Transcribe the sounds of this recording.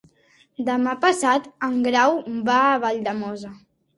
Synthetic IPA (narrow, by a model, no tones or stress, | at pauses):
d̪əmapəsat̪əŋɡɾawbaːβaʎd̪əmɔzə